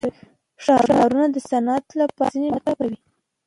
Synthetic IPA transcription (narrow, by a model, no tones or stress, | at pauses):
ʂɑanɑɾunad̪əsanat̪lapɑ̰zinemat̪ɑkawi